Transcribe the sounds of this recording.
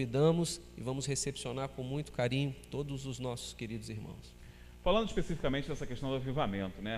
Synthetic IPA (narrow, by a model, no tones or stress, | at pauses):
vid̪ɐ̃mʊs | ɪvɐ̃mʊshesepsionaɾkõmũj̃t̪ʊ̥kaɾĩɲʊt̪od̪ʊzʊznɔsʊ̥skeɾid̪ʊziɾmɐ̰̃w̃s | falɐ̃nd̪ʊiʃspesifikamẽnt͡ʃɪd̪ɛsɐkeʃt̪ɐ̃w̃d̪ʊavivamẽnt̪ʊnɛ